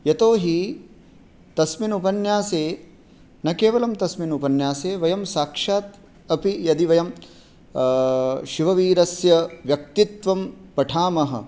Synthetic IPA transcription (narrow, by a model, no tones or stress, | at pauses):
jɐt̪oːɦi | t̪ɐsminupɐnjaːseː | nɐkeːʋɐlɐmt̪ɐsminupɐnjaːseːʋɐjɐmsaːkʂaːt̪ | ɐpijɐd̪iʋɐjɐm | ʃiʋɐʋiːɾɐsjɐʋjɐk̚t̪it̪ʋɐmpɐʈʰaːmɐɦɐ̰̆